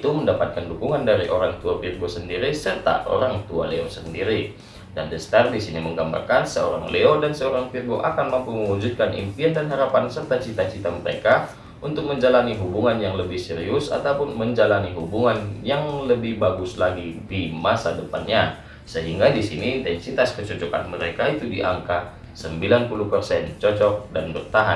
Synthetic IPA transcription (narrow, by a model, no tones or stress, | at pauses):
it̪uməndapat̪̚kandukuŋandaɾiʔoɾaŋt̪uafirɡosəndiɾisərt̪a̰ʔo̰ɾaŋt̪ua̰leosəndiɾi | dandəst̪ardisiniməŋɡamba̰rkansə̰o̰ɾa̰ŋleodansəoɾaŋpirɡoʔakanmampuməŋud͡ʒut̪̚kanḭmpiandanɦaɾapansərt̪at͡ʃit̪at͡ʃit̪aməɾḛka | ʔunt̪ʊk̚məɲd͡ʒalaniɦubuŋanjaŋləbɪhsɛɾiʊsa̰t̪aupʊnməɲd͡ʒalaniɦubuŋanjaŋləbɪhbaɡʊslaɡidimasadəpa̰nɲa | səɦiŋɡadisiniːnt̪ɛnsit̪askət͡ʃɔt͡ʃɔka̰nməɾekait̪udiʔa̰ŋka | səmbilanpuluhpərsɛnt͡ʃɔt͡ʃɔk̚danbərt̪aɦa̰